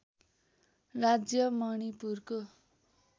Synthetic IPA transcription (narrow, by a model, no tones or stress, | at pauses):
rad͡zjʌmʌɽ̃ipurko